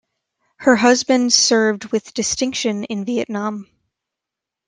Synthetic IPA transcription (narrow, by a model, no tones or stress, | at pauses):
hə˞ɦʌzbɨ̃ndsɜ˞vd̚wɨðd̥ɨstɪ̃ŋkʃɨ̃nɪ̃nviɨʔⁿnɑ̃m